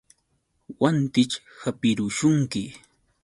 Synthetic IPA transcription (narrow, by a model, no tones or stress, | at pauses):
want̪ɪt͡ʃ | hapɪɾʊʃʊŋkɪ